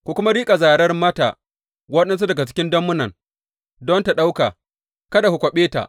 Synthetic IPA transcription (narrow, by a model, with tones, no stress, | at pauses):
kʷu˨kʷʊ˦ma˦ɾiː˦kʼa˨zaː˨ɽɐ˦rmɐ˦ta̰˨ | wɐ˦ɗɐ˦ns̬u˦dɐ˨ɡa˨t͡ʃɪ̥˦kʲɪ˦ndɐ˦mːʊ˦nɐ˨ŋ | dɔ˦nta˨ɗa˦wka̰˨ | kɐ˦da˨hu˨kʷɔ˨ɓeː˦ta̰˨ʔ